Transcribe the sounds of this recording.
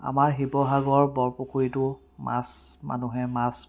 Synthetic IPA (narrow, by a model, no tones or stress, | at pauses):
a̰maɹɦibɔɦaɡɔɹbɔlpokʰuɹitʊ | ma̰s | ma̰nuɦɛmas